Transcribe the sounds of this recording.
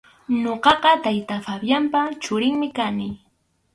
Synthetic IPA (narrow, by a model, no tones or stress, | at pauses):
ɲoqɑqɑt̪ajt̪afabjampat͡ʃʊɾɪŋmɪkanɪ